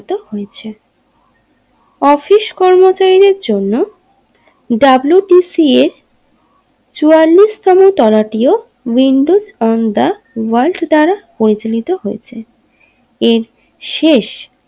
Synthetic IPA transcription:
t̪ohojet͡ɕʰe | ɔfiʃkɔɾmot͡ɕaɾid̪eɾd͡ʑonːo | ɖabluʈisieɾ | t͡ɕualːist̪ɔmot̪ɔlaʈio | wiɳɖud͡ʑɔnd̪a | walʈd̪aɾapoɾit͡ɕolit̪oɦoet͡ɕʰe | eɾ | ʃeʃ

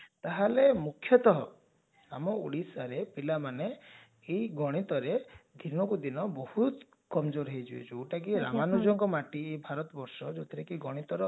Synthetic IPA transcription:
t̪aɦalemukʰːjɔt̪ɔɦɔ | amɔṵɽisaɾepilamaneː | ɡɔɽ̃it̪ɔɾed̪ʱinɔkud̪inɔbɔhut̪ | kɔmd͡ʒoɾɦed͡ʒuḛt͡ʃʰuoʈak̬iɾa̰manud͡ʒɔŋkɔmaʈiejbʱaɾɔt̪ɔbɔɾsɔd͡ʒɔt̪ʰiɾekiɡɔɽ̃it̪ɔɾɔ

